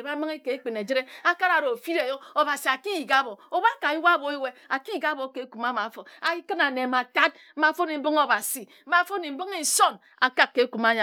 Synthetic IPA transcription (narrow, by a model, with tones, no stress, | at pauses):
e˨ba˦mɨ˦ŋe˦ke˨e˦k͡pi˨ne˨d͡ʒi˦ɾe˦a˦ka˦ɾa˨ɾo˨fi˦ɾe˨jo˦o˨ba˨si˨a˨ki˦ji˨ɡa˦bo˨o˨ba˦ka˨i˦wa˦bo˨e˦we˦a˨ki˦ji˨ɡa˦bo˨˦ke˨˦ku˨ma˦ma˨˦fo˨a˨i˦kɨ˦na˨ne˨ma˨ta˦t̩̚˦ma˨˦fo˦ni˨m̩˦bɨ˦ŋo˨ba˨si˨m̩˦ma˨˦fo˦ni˨m̩˦bi˦ŋi˨so˦n | a˨ka˦kːe˨˦ku˨ma˦ɲa˨